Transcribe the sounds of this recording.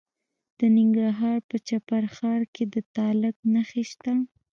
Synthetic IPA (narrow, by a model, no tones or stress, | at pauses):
d̪̥ənɪŋɡɾaɦɑɾpət͡ʃapaɾxɑɾked̪ət̪ɑlɪknaxeʃt̪a